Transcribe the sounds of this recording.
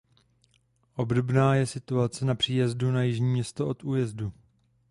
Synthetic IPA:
ʔo̞bdo̞bnaːjɛsɪt̪uat͡sɛnapr̥iːjɛzdunajɪʒɲiːmɲɛst̪o̞ʔo̞t̪ʔuːjɛzdu

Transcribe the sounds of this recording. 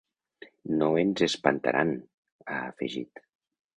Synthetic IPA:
noenzespant̪a̰ɾʔan | aːfeʒit̪

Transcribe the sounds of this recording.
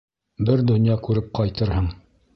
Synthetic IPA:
bɘɾd̪ɵ̆njɑkʉɾɘp̚qɑjt̪ɤɾhɤɴ

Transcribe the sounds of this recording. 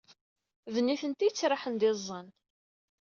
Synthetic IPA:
vənːiθənt̪ijət͡sːɾˤɑħənd̪ɪzˤːən

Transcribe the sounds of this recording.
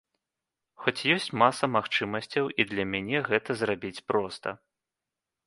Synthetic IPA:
xɔt͡sʲjɔsʲt͡sʲmasɐmaxt͡ʂɨmɐsʲt͡sʲɐwʔid̪lʲɐmʲanʲɛɣɛt̪ɐzrabʲit͡sʲpɾɔst̪ɐ̰

